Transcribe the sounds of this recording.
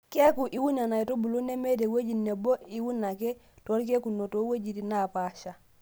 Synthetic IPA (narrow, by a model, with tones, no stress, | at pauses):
ke˦ku˨ʔi˨˦wu˦na˨na˨i˨to˦bu˨lu˦ne˦me˦de˨wo˦d͡ʒi˦nːe˨bo˦i˨wu˦nːa˨ke˦ | to˨˦ɾk̬e˦ku˨no˨to˦wo˦d͡ʒi˨tina˨pa˨ʃa˨